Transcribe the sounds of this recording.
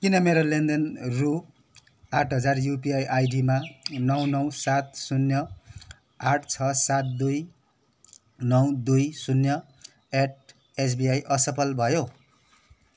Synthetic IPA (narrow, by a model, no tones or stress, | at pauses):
kinʌmeɾolend̪ʌnru | aʈʰɦʌd͡zarjupiajʔajɖimanʌwnʌw̃sat̪̚sunːjʌ | aʈʰt͡sʰʌsat̪̚d̪uj | nʌw̃d̪ujsunjʌ | eʈ̚ | es̬biajʔʌsʌpʌlbʱʌjo